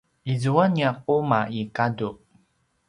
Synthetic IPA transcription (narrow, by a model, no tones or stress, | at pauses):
izuaniaqumaikadu